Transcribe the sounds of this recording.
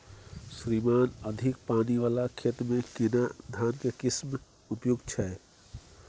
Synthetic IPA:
sɾimaːnəd̪ʱɪkpaːniʋaːlakʰet̪mẽkinad̪ʱaːnkekɪsm | upjuɡt͡ʃʰɛ

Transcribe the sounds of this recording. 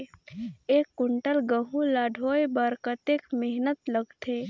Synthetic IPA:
eːkːʊɳʈəlɡəɦũlaːɖʱoːjbəɾkət̪eːkmɪɦnət̪ləɡt̪ʰeː

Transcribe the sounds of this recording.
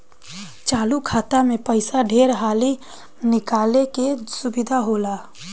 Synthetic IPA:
t͡ʃaːlukʰaːt̪amẽpəɪsaɖʱeɾɦaːli | nɪkaːlekesʊbɪd̪ʱaɦoːla

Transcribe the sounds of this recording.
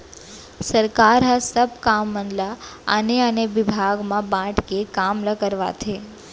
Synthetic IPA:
səɾkaɾɦasəbkamːənlaə̰neəneʋɪbʱaɡmãbãʈkekamləkəɾʋa̰t͡ʃʰe

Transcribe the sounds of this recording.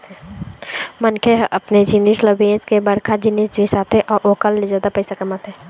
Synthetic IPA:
mənkʰeɦʔɐpned͡ʒɪniʃləbẽːt͡ʃkebɐɾkʰad͡ʒɪnisd͡ʒisaːt̪ẽʔɔːɾʔoːkəlːed͡ʒaːd̪apəɪsakɐmat̪ɦɛː

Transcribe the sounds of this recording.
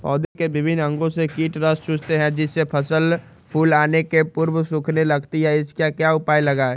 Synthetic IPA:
pɔ̰ːd̪ekebɪbʱɪnɐ̃ŋɡõsekiːʈɾəst͡ʃʊt͡ʃt̪eɦɛ̃d͡ʒɪsːepʰɐsəl | pʰuːlaːnekepʊɾwsʊ̃kʰnelɐɡt̪iɦɛɪskjakjaʊpaːilɐɡaɛː

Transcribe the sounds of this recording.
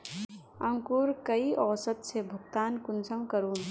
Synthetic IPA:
ə̃ŋkuɾkəiʔɔːsət̪sebʱəɡt̪aːnkunsəmkəɾuːn

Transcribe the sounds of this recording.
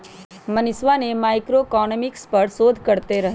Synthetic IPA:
mənɪsʋanemaːɪkɾoekɔːnəmɪkspəɾsoːd̪ʱkəɾt̪eɾɐɦ

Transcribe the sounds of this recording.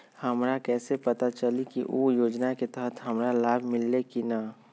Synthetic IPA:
hɐmɾakɛːsepɐt̪at͡ʃəlikiʔoːjoːd͡ʒnaket̪əɦət̪ɦɐmɾalaːbʱmɪlːekina

